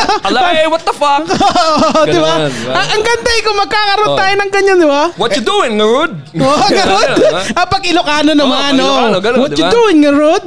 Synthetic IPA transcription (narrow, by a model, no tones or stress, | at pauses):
ɐlɐwɐt̪̚d̪ɐfaoʔod̪ɪbaɐʔɐŋɡɐnd̪aʔɪkomɐɡ̚kaːkɐɾont̪aːjonɐŋɡɐɲːand̪ɪbawɔtjʊd̪uɪŋːɐɾud̪̚ʔoʔɡɐɾod̪̚ʔɐpɐɡɪlʊkaːnonɐmannowɔtjʊd̪uɪŋːɐɹod̪̚